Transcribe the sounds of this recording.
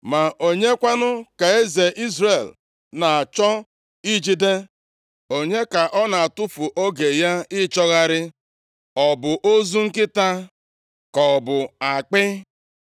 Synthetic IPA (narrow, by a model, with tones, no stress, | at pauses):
ma˨ʔo˨ɲe˦kʷa˦nʊ˦ka˨e˦ze˨ʔi˦zɾe˨l | na˨t͡ʃɔ˦ | i˦d͡ʒi˦de˦ | o˨ɲe˦ka˨ʔɔ˦na˨a˨tʊ˦fʊ˨ʔo˦ɡe˨ja˦ɪ˦t͡ʃɔ˦ɣa˦ɾɪ˦ | ɔ˨bʊ˨ʔo˦zu˦ŋ̩˦kɪ˦ta˦ | kɔ˨bʊ˨a˨k͡pɪ˦